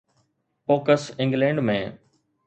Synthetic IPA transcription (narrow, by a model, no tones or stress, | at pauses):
foːkəsɪ̃ŋɡlẽːɳɖmẽː